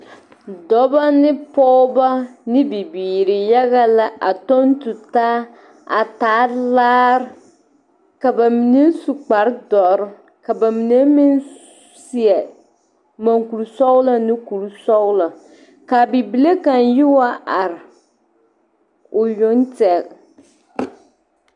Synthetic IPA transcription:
dɔ˦ba˦nɪ˦pɔː˦ba˦nɪ˦bi˨biː˨ɾɪ˨ja˦ɣa˦la˦ʔa̰˨to˦n˦tu˨taː˦ | a̰˨taː˨˦laː˦ɾ | ka˨ba˨mi˨ne˦su˨k͡pa˨ɾdɔ˨˦ɾɪ˦ | ka˨ba˨mi˨ne˦mi˦n | si˨ɛ˨ | ma˨ŋku˨ɾsɔ˦wla˦nɪ˦ku˨ɾsɔ˦wla˨ | ka˨bi˨bi˨le˦ka˨njɪ˦wa˦ʔa˨ɾɪ˨ | ʊ˨jʊ˦ntɛ˨k

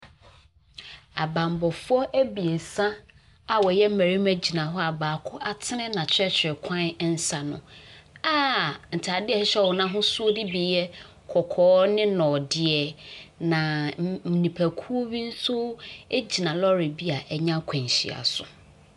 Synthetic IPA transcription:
a˨bã˨m˨bɔ˨fʊ˦ɔ˦ʔæ˦bi˨e˨sã˦ | a˨wɔ˨jɛ˦m̩˦mæ˨ɾi˦mæ˦d͡ʑi˨nã˨ɦɔ˦a˨baː˨kʰʊ˦ʔa˦tʰɪ˦nɪ̃˦nã˨t͡ɕʰɾɛ˦t͡ɕʰᶣɾɪ˨kʰã˦n˦n̩˦sa˨nʊ̰̃˨aː˦n̩˨tʰa˨dɪ˦ɛ˨˦ɕɛ˦˨wɔ˨nã˦ɦʊ̃˦su˦o˦dɪ˦bi˨jɛ˦ | kʰɔ˨kʰɔː˦nɪ̃˦nɔ̃˨dɪ˨ɛ˨nã˨mĩ˨nĩ˨pʰæ˨kʰu˦wi˦n̩˦tʰu˦e˦d͡ʑi˨nã˨lɔ˦ɾɪ˨bi˦a˨ʔɛ˨ɲã˦kʷʰã˨ɲ˨ɕḭ˨a̰˨sʊ̰˨

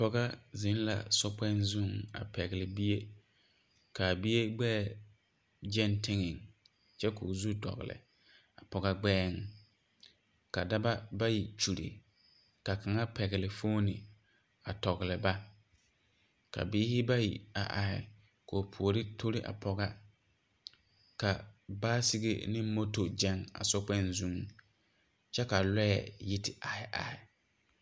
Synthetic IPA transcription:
pɔ˦ɣa˦zɪ˨˦n˦la̰˨sɔ˦pɛ˦n˦zu˦˨ŋa̰˨pɛ˨ɣɪ˨lɪ˨bi˦je˦ | ka˨bi˦je˦ɡ͡bɛː˦˨ | d͡ʒɛ˦ntɪ˦ŋɪ˨ŋ | t͡ʃɛ˦koː˨zu˦dɔ̰˨ɣɪ̰˨lɪ̰˨ | a˨pɔ˨ɣa˦ɡ͡bɛː˦ŋ | ka˨da˦ba˦ba˦ji˨t͡ʃu˨ɾḭ˨ | ka˨ka˨ŋa˦pɛ˨ɣɪ˨lɪ˨foː˦nɪ̰˨ | a˨tɔ˨ɣɪ˨lɪ˨ba˦ | ka̰˨biː˦hɪ˦ba˦jḭ˨a˨ʔa˨hɪ˨ | ko˨pʰu˨o˨ɾɪ˦tʰo˦ɾi˦ʔa̰˨pʰɔ˨ɣa˦ | ka˨baː˦si˦ɡḛ˦nɪ̃˦mo˦to˨d͡ʒɛ˦ŋa̰˨sɔ˦k͡pɛ˦nzu˨ŋ˦ | t͡ʃɛ˦ka˨lɔ˦jɛ̰˨ji˦tɪ˨ʔa˨hɪ˨ʔa̰˨ɪ˨

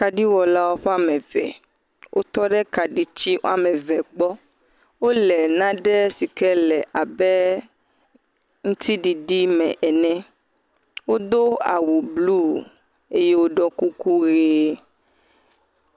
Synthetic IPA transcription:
ka˨ɖi˦wɔ˨la˦wo˦ɸɛ˦a˨mɛ̃˨vɛ̰˨ | wʔo̰˦t̪ɔ˦ɖɛ˦ka˨ɖi˦t͡ɕi˦ʔa˨mɛ̃˨vɛ˨ɡ͡bɔ˦ | wo˦lɛ˨nã˦ɖɛ˦si˨kɛ˦lɛ˨ʔa˨bɛ˦ | ŋũ˦t̪i˦ɖi˨ɖi˦mɛ̰̃˨ʔɛ˨nɛ̃˦ | wo˦d̪o˦a˨wu˨blu˦˨ | e˦je˦wo˦ɖɔ˦ku˦ku˦ɣe˦

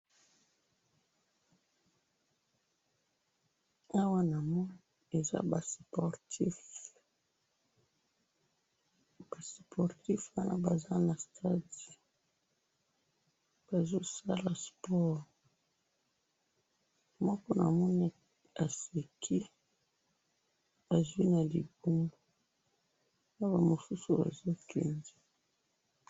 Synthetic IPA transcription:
a˦wa˦na˨mɔ˦n | e˨za̰˦ba˨spɔ˨ʁti˦f | b̥a˨spʰɔ˨ʁti˦fwa˦na̰˦ba˨za˦na˨stʰa˦di˨ | b̥a˨zo˦sa˦la˨spɔ˦ʁ | mɔ˦kɔ˦na˨mɔ˦ni˦ | a˨se˨kʰi˦ | ba˨zu˦i˦na˨li˨bu˦mbo˨ | na˦ba˨mo˨su˦su˨ba̰˨zo˦kɛ̰˨nzɛ˦

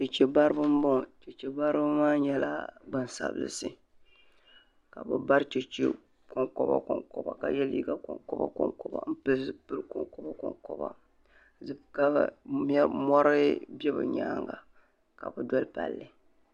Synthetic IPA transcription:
t͡ʃɛ˨t͡ʃɛ˨ba˦ɾɨ˦bɨ˦m˦bo˦˨t͡ʃɛ˨t͡ʃɛ˨ba˦ɾɨ˦bɨ˦maː˦ɲɛ˦la̰˦ɡ͡bɨ˦˨nsa̰˨bɨ̰˨lɨ̰˨sɨ˦ | ka˨bɨ˨ba˦ɾt͡ʃɛ˨t͡ʃḛ˦ | ko˨ŋkɔ˦ba̰˨kɔ˨ŋkɔ˨ba˨ka˨jɛ˦liː˦ɡa˦kɔ˨ŋkɔ˦ba̰˦kɔ˦ŋkɔ˨ba̰˨m̩˦pɨ˦sɨ˦pɨ˦lkɔ˨ŋkɔ˦ba˦kɔ˨ŋkɔ˦ba̰˨ | zɨ˦˨ka˦˨mɛ˦mɔ˦ɾɨ˦bɛ˦bɨ̰˨ɲaː˦ŋɡa˨ | ka˨bɨ˨dɔ˦lpa˨lːɨ˨

